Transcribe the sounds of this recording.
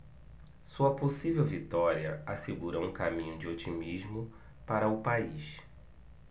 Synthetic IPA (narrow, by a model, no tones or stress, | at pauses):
suɐposivewvit̪ɔɾiɐaseɡuɾɐũkamĩɲʊd͡ʒɪot͡ʃimizmʊ | paɾɐʊpaiʃ